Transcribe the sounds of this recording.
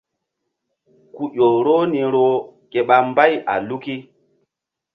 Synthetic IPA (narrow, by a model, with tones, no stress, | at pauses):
ku˨ɗo˨ɾo˦ni˨ɾo˦ke˨ɓa˨mba˦ja̰˨lu˦ki˦